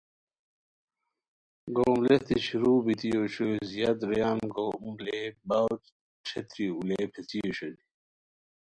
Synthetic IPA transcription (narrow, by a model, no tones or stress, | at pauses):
ɡoːmlet̪iɕiɾuːbit̪ijoɕozijad̪ɾjaːnɡomlebaw | ʈ͡ʂʰet̪ɾiuleːpʰet͡sijoɕɐd̪i